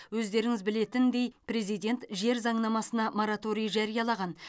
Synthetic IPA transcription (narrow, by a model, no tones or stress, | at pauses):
wɵzd̪e̞ɾɪŋɪzbɪle̞t̪ɪnd̪e̞jpɾe̞zijd̪ʲe̞nt̪ʒe̞ɾzɑɴnɑmɑsənɑmoɾat̪o̞ɾijʒɑɾijɑlˠɑʁɑn